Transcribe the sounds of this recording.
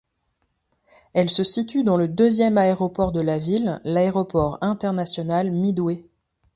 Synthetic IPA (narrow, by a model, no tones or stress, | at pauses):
ɛlsəsit̪yd̪ɑ̃ləd̪øzjɛmaeʁɔpɔʁd̪əlavilːaeʁɔpɔʁɛ̃t̪ɛʁnasjɔnalmid̪we